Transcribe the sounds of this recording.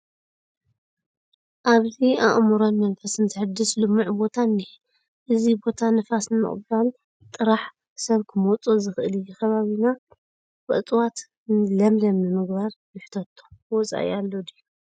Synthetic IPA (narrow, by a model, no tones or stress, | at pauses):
ʔaβziaʔmuɾonmɐnfɐsɨnt̪ʰɨħɨd̪ːɨslɨmːuʕbo̞t̪ʰanːi | ʔɨzibo̞t̪ʰanɨfasnɨmɨ̰χʼbal | t̪ʼɨɾaħ | sɐβkʰɨmot͡sʼozɨxɨʔɨlɨjukʰɐβaβina | bɨ̰t̪ʼwat̪ | nlɐmlɐmnɨmɨɡβaɾjɪħt̪ʰɐt̪ʰːo̥wɔt͡sʼa̰ʔj̰alːod̪iju